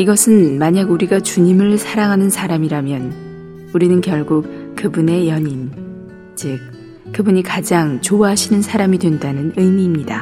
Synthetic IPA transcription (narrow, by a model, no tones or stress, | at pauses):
iɡʌsʰɯnmaɲaɡuɾiɡat͡ɕuɲimɯɭsʰaɾaŋɦanɯnsʰaɾamiɾamjʌn | uɾinɯnkjʌɭɡuk̚kɯbune̞jʌɲim | t͡ɕi | kɯbuɲikad͡ʑaŋt͡ɕoaɦaɕʰinɯnsʰaɾamidwendanɯnɯjmiːmɲida